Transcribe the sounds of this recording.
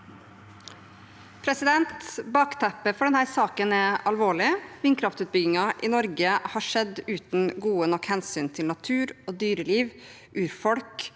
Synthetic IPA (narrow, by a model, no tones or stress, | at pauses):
pʰɾɛsɪd̪ɛnt̪bɑːkt̪ʰæpəfɔɖɛnhæːɾsɑːkənɛɑlʋoːɭɪʋɪŋkʰɾɑft̪ʉːt̪̚bʏɡɪŋɑʔɪnɔɾɡəhɑːʂɛd̪ʉːt̪nɡuːənɔkhɛnsyːnt̪ʰɪlnɑt̪ʰʉːɾoːd̪yːɾəliːʋ | ʔʉːɾfɔɽk